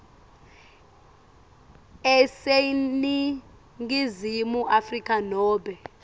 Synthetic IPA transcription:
ɛseni | ŋɡizimuʔafrikʼanɔːɓɛ

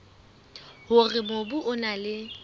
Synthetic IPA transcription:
hʊrɪmobʊʔʊnalɪ

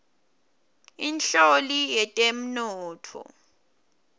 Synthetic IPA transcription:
inɬolijɛtʼem̩nɔːtʰɔ̰

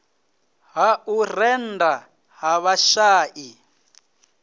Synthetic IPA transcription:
ɦaurɛnda | ɦaβaʃaːʔi

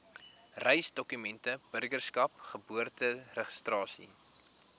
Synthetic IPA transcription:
rɛjsdɔkymɛntəb̥ərɡərskɐpχəbuərtərəχə̥strɑːsḭ

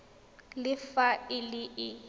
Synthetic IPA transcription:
lɪfaɪlɪɪ

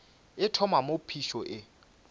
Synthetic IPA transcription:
ɪtʰɔmamopʰiʃɔʔɪ

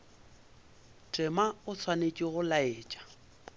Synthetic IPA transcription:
tʼɪmaʊt͡sʰwanet͡ʃʼiɣʊlaeːt͡ʃʼḁ

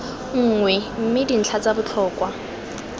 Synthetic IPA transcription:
ŋ̩ːŋwɛm̩mɪdin̩t͡ɬʰat͡sabʊt͡ɬʰɔːkwa

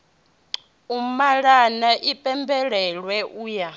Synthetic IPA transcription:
umaɺanaʔipʼɛmbɛɺɛɺwɛʔuːja

